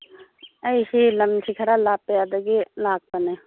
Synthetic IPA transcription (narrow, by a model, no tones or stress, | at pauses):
ɐiɦilɐmt͡ʃʰikʰɐɾalaːpejad̪ɐɡilaːk̚pɐne